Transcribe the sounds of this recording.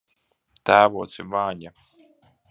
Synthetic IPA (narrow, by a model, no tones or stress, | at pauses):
t̪æːvoːt̪simaːɲa